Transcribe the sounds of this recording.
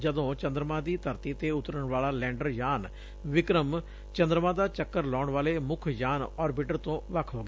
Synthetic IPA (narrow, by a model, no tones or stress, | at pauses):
d͡ʒəd̪õːt͡ʃə̃nd̪ɾəmãːd̪iːt̪əɾt̪iːt̪eːʊt̪ɾəɳʋaːlaːlɛ̃ːɳɖəɾjaːn | ʋɪkɾəm | t͡ʃə̃nd̪ɾəmãːd̪aːt͡ʃəkːəɾlɔːɳʋaːleːmʊkʰjaːnɔːɾbɪʈəɾt̪õːʋəkʰɦoːɡɛː